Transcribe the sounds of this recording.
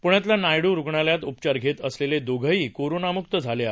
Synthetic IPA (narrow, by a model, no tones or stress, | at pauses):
puɳjat̪̬lanajɽũɾuɡɳaljat̪up̚t͡ɕaɾɡʱet̪əsleled̪oɡʱəiːkoɾonamukt̪əd͡zʱalea